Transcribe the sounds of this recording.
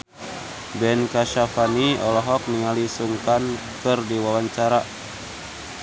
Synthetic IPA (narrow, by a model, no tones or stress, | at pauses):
bɛnkaʃafaniɔlɔɦɔk̚niŋalisuŋkan | kɨrdiwawaɲt͡ʃaɾa